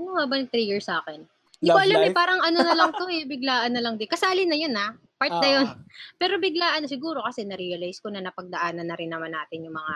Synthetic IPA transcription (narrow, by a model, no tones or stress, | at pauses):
nʊŋmabɐnɪt̪ɾijɪɹsaːkɛn | d̪ɪkoʔɐlamɛpaːɾɐŋɐnonɐlɐŋt̪o̞ʔɛbɪɡlaːʔɐnːɐlɐŋd̪ɪkɐsaːlɪnːɐjona | paɹt̪nɐjonpɛːɾo̞bɪɡlaːʔɐnosɪɡuːɾo̞kɐsɛnɐɾijɐlajskonɐnɐpɐɡ̚d̪ɐʔaːnɐnːɐɾɪnːɐmanːaːt̪ɪnjʊŋmɐŋa